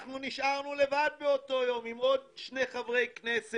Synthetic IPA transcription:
χnuniʃʔaʁnule̞vad̚beoto̞jo̞mimod̚ʃne̞χavʁe̞jknese

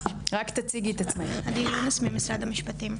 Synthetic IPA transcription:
ʁakt̪at͡siɡit̪at͡smehad̪ilonosmimisɾad̪amiʃpat̪im

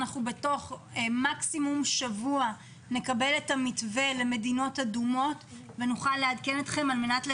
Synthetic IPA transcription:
naχnube̞to̞χ | maksimumʃavua | ne̞kabe̞letamitve̞leme̞dino̞tadumo̞t | venuχalːeadkenet̪χe̞malme̞natle

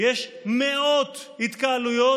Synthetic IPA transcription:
jeʃmeot̪hit̪kaalujo̞

